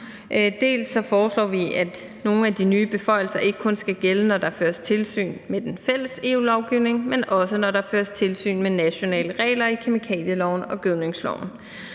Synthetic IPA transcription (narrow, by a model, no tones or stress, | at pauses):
ʔd̥e̝̰ːlsːɒ̽fɒːslɒ̰ːʋiæd̥ | no̝ːn̩æd̥inyːb̥e̝fɒ̽ɪ̰l̩sɐʔe̝ɡ̥əkʰɔ̽nsɡ̥æɡ̥elənɒd̥ɑ̈føːɐst͡sʰe̝lsy̰ːnmed̥enfel̰əse̝̰ːuːlɒʊɡ̥iʊne̝ŋmenɒ̽sənɒɾɑ̈føːɐst͡sʰe̝lsy̰ːnmenæɕo̝nɛ̰ːləʁɛ̰ːlɐikʰemikʰɛ̰ːljəlɒʊ̰n̩ɒ̽ɡ̥øðneŋslɒ̰ʊn̩